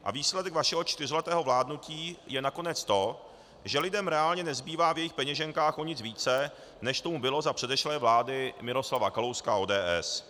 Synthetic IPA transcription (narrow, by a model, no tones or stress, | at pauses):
ʔa̰viːslɛdɛkvaʃɛɦo̞t͡ʃt̪ɪr̝ɪlɛt̪ɛːɦo̞vlaːdnuciːjɛnako̞nɛt͡st̪o̞ | ʒɛlɪdɛmɾɛaːlɲɛnɛzbiːvaːvjɛjɪxpɛɲɛʒɛŋkaːxʔoɲɪt͡sviːt͡sɛ | nɛʃt̪o̞mubɪlo̞zapr̝̥ɛdɛʃlɛːvlaːdɪmɪɾo̞slavakalowskaoːdɛːʔɛs